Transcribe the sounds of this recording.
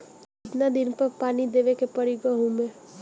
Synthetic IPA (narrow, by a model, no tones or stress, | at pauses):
ɪt̪nad̪ɪnpɐɾpaːnid̪eːʋekepɐɾiɡaɦũmẽ